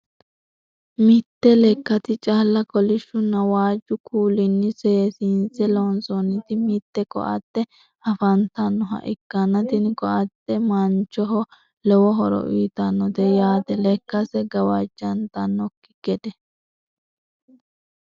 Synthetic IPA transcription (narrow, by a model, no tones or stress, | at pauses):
mɪt̪ːɛlɛkːɐt̪ɪt͡ʃʼaːlːɐkɔlɪʃːʊnːɐwaːd͡ʒːʊkʰuːlɪnːɪsɛsɪnsɛlonsɔnːɪt̪ɪmɪt̪ːɛkɔ̰ʔɐt̪ːɛ | ɐfɐnt̪ɐnːɔɦɐ̰ʔɪkːɐnɐt̪ɪnkɔʔɐt̪ːɛmɐnt͡ʃːɔɦɔ | lɛwɔɦɔɾɔ̰ʔiːt̪ɐnːɔd̪ɛjaːt̪ɛlɛkːɐsɛɡɐwɐd͡ʒːɐnt̪ɐnːɔkːɪ̥ɡɛd̪ɛ